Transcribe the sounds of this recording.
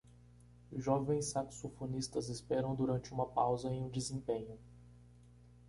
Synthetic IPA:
ʒɔvẽj̃sːaksofonist̪ɐzɪspɛɾɐ̃w̃d̪uɾɐ̃nt͡ʃɪũmɐpawzɐẽj̃ũd͡ʒɪzẽpẽɲʊ

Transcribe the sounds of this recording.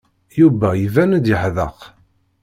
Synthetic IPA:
juvæjvænəd̪jəħðəq

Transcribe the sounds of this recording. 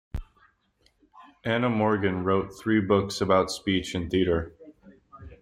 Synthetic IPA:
ʔænəmɔɹɡɨ̃nɹoʊt̪̚θɹibʊksɨbaʊtspit͡ʃɨ̃nθiɾə˞

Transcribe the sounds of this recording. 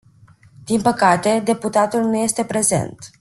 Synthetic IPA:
d̪̥inpəkat̪e̞d̪e̞put̪at̪ulnuje̞st̪e̞pɾe̞ze̞̰nt̪

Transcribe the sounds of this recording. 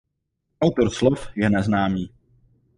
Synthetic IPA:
ʔawt̪oɾslofjɛnɛznaːmiː

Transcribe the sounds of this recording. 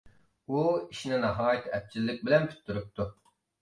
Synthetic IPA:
uiʃinɪnɑɦɑːjit̪ʰɪɛt̪̚t͡ʃʰilːɪk̚ʲbɪlɛnt̪ʰy̥t̪ʰːyɾyp̚t̪ʰu

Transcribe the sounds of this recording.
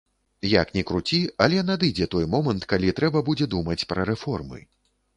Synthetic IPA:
ja̰knʲɛkɾut͡sʲialʲɛnad̪ɨd͡zʲɛt̪ɔjmɔmɐnt̪kalʲit̪ɾɛbɐbud͡zʲɛd̪umɐt͡sʲpɾɐɾɛfɔrmɨ̰

